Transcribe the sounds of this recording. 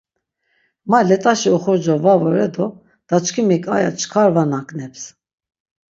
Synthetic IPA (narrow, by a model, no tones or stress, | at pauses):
malɛt̪ʼaʃiɔχɔɾd͡ʒɔvavɔɾɛd̪ɔ | d̪̥at͡ʃkʰimikʼa̰jat͡ʃʰkʰaɾvanakʼnɛps